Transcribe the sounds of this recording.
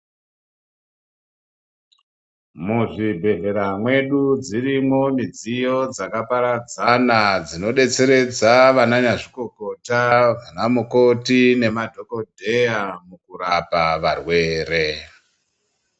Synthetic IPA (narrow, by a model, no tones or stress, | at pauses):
muʐibʱe̞ɮe̞ɾamwe̞ɗud͡zirimo̞mid͡zijo̞d͡zakapaɾad͡zanad͡zino̞ɗe̞t͡se̞ɾe̞d͡zaʋananaʐiko̞ko̞taʋanamukotine̞madʱo̞ko̞dʱe̞jamukurapaʋarwe̞ːre̞